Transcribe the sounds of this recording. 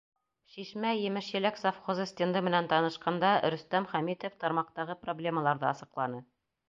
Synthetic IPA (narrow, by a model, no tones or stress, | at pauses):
ʃiʃmæjɘ̆mɘʃjɘ̆læksɑfχozɤsʲt̪ʲend̪ɤmɘ̆nænt̪ɑnɤ̆ʃqɑnd̪ɑɾɵ̆st̪æmχæmit̪oft̪ɑɾmɑq̚t̪ɑʁɤproblʲe̞məlˠɑɾðɤɑsɤ̆qlˠɑnɤ